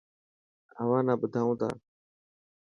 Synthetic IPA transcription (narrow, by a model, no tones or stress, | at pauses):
əʋãːnãːbʊd̪ʱaːũːt̪a̰ː